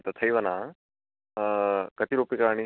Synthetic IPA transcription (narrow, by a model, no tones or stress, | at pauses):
t̪ɐt̪ʰɐjʋɐna | kɐt̪iɾuːpikañi